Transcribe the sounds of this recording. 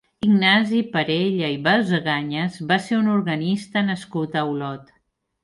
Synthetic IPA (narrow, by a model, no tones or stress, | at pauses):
iɡnazipəɾeʎəiβalzəɣaɲəzβaseunuɾɣənist̪ənəskut̪əwlɔt̪